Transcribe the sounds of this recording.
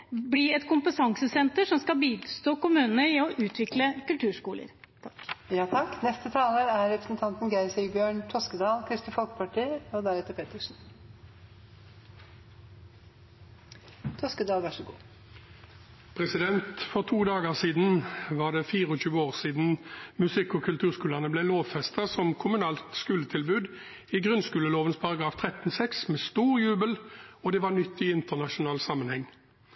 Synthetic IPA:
bliɛt̪kʰʊmpət̪ʰɑŋsəsɛnt̪əʂɔmskɑlbiːst̪oːkʊmʉːnəɾɪɔʔʉːt̪ʰʋɪkləkʉlt̪ʰʉːʂkuːlə̰ɾ | t̪ʰɑ̥kjɑːt̪ʰɑkːnɛst̪ət̪ʰɑːləæɾɾɛpɾə̥sn̩t̪ʰɑnt̪n̩ɡæɪsɪbjøːɳt̪ʰɔskəd̪ɑːlkʰɾɪst̪ɪfɔlkə̥pʰɑʈʰiːəɔd̪æɾɛt̪əɾpʰeːt̪əʂn̩ | t̪ʰɔskəd̪ɑːlʋæʂəɡṵː | pʰʁɛsɪd̪ɛnt̪fɔʁt̪ʰuːd̪ɑːɡəsiːd̪n̩ʋɑːʁd̪ɛfiːʁəɔɕʉːəoːʁsiːd̪n̩mʉsɪkːɔkʰʉlt̪ʰʉːʁskʉːləʁnəblɛloːʋfɛst̪ɑsɔmkʰʊmʉnɑːlt̪skʉːlət̪ʰɪlbʉːd̪ | iɡʁʉnskʉːləloːʋənspʰɑʁɑɡʁɑːft̪ʰʁɛt̪n̩sɛksmeːst̪uːʁjʉːbəlɔd̪ɛʋɑnʏt̪ːɪɪnt̪əʁnɑʃʊnɑːlsɑmənhɛŋː

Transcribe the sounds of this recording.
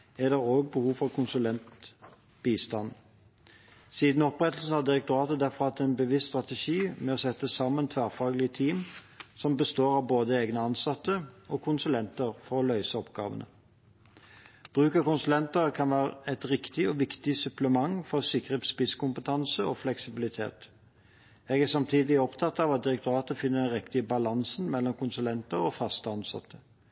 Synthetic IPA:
æd̪ɛʁoːɡ̚bəhuːʋfɔʁkʰʊnsʉlɛnt̪ | b̥iːst̪ɑn | siːd̪n̩ɔpʁɛt̪l̩sn̩hɑd̪ɪʁək̚t̪ʊɾɑːt̪əd̪æfɔʁɑt̪ɛnbəʋɪst̪st̪ʁɑt̪əʃiːmɛɔsɛt̪ːəsɑmːənt̪ʰʋæːʁfɑːɡlɪət̪ʰiːm | sɔmbəst̪oːɾɑʋboːd̪əeːɡnəɑnsɑt̪ːəɔkʰʊnsʉlɛnt̪əɾfɔɾɔlœʏsəɔpɡɑ̰ːʋə̰nə̰ | b̥ʁʉːkəkʊnsʉlɛnt̪əʁkʰɑnʋæːʁəɛt̪ɾɪkt̪ɪɔʋɪkt̪ɪsʉpləmɑŋfɔʁsɪkʁət̪spɪskʊmpət̪ʰɑnsəɔflɛksɪbɪlɪt̪ʰḛːt̪ | eːɡæsɑmt̪ʰiːd̪ɪɔpt̪ʰɑt̪ːɑːʋɑt̪̚d̪ɪɾɛk̚t̪ʊɑːt̪əfɪnːəd̪ɛnʁɛkt̪ɪəbɑlɑnsnmɛlːɔmkʰʊnsʉlɛnt̪əɾɔfɑst̪əɑnsɑ̰t̪ʰːə

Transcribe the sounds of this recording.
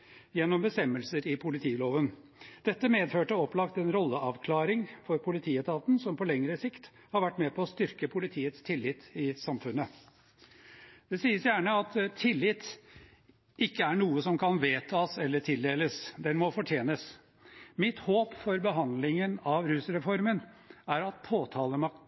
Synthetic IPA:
jɛnːɔmbəst̪ɛmːəlsəɾɪpʰʊlɪt̪ʰiːloːʋən | d̪̥ɛt̪ːəmeːd̪føːʈəɔplɑkt̪ɛnɾɔlːəʔɑʋkʰlɑːɾɪŋfɔɾpʰʊlɪt̪ʰiːət̪ɑːt̪n̩sɔmpʰɔlɛŋɾəsɪkt̪ | hɑɾʋæʈːmɛpʰɔːst̪ʏɾkəpʰʊlɪt̪ʰiːət̪st̪ʰɪlːɪt̪ːɪsɑmfʉnːə | d̪̥ɛsiːəsjæːɳəɑt̪t̪ʰɪlːɪt̪ː | ɪkːəæɳuːəsɔmkʰɑnʋeːt̪ʰɑːsɛlːəʈʰɪld̪eːləsd̪ɛnmɔfɔʈʰjeːnəs | mɪt̪hoːpfɔɾbəɦɑnd̪lɪŋənɑʋɾʉːsɾɛfɔɾmən | æɾɑt̪̚pʰoːt̪ʰɑːləmɑk

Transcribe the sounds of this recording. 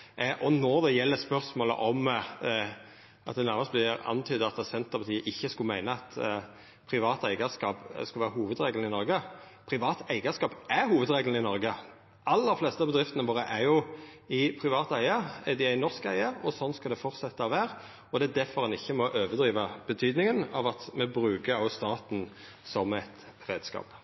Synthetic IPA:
ʔɔnɔɾd̪ɛjɛlːəspœʁsmoːlə̰ʔɔm | ʔɑt̪̚d̪ɛnæʁmɑspʰɑlɪəɾɑ̰nːt̪ʰyːd̪əɑt̪ːɑsɛnt̪əpʰɑt̪iːəʔɪçːəskʉlmæɪnəɑt̪ | pʰɾɪʋɑːt̪æɪɡəskɑːpskɑʋæːɾəɦuːʋəd̪ɾeːɡln̩ɪnɔɾɡə | pʰɾɪʋɑːt̪æɪɡəskɑːpʔæɾhuːʋəd̪ɾeːɡln̩ɪnɔɾɡə | ɑlːəɾfleːst̪əɑbəd̪ɾɪft̪ənəʋoːɾəʔæɾjʊ | ɪpʰɾɪʋɑːt̪æɪəɛd̪ɪæɪnɔʁskæ̰ɪəɾɔsɔnskɑld̪ɛfɔɾt̪sɛt̪ːəɔʋæːɾ | ɔd̪ɛæd̪æɾfɔɾʁhɑnɪçːəmɔʔøːʋəd̪ɾiːʋəb̥ət̪ʰyːd̪nɪŋənɑ̰ʋɑt̪mɛbɾʉːkəɑʊst̪ɑːt̪n̩ | sɔmæɪt̪ | ɾeːd̪skɑ̰ːp

